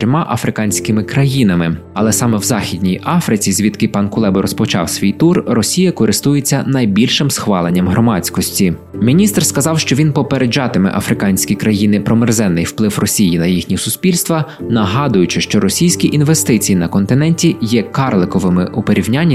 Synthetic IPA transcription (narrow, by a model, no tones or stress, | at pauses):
ɾʲɔmɑʔɐfɾɪkɑnʲsʲkɪmɪkɾɐjin̪ɐmɪ | ɐ̰lˠɛsɑmɛwzɑxʲid̪ʲnʲijʔɑfɾɪt͡sʲizʲʋʲit̪kɪpɑnkʊlˠɛbɔɾɔspɔt͡ʃɑ̰wsʲʋʲijt̪urrɔsʲijɐkɔɾɪst̪ujet͡sʲːɐnɐjbʲilʲʃɪmsxʋɑlˠenʲːɐmɦɾɔmɑt͡sʲkɔsʲtʲi | mʲinʲist̪rskɐzɑwʃt͡ʃɔʋʲinpɔpeɾed͡ʒɑt̪ɪmɪ̰ʔɐfɾɪkɑnʲsʲkʲikɾɐjinɪpɾɔmɪrzɛnːɪjwplˠɪwrɔsʲijinɐjixnʲisʊsʲpʲilʲst̪ʋɐnɐɦɑd̪ʊjʊt͡ʃɪʃt͡ʃɔɾɔsʲijsʲkʲiʔinʋest̪ɪt͡sʲijinɐkɔnt̪ɪnɛnʲtʲijɛkɑrlˠɪkɔʋɪmɪ̰ʔupeɾʲiwnʲanʲːi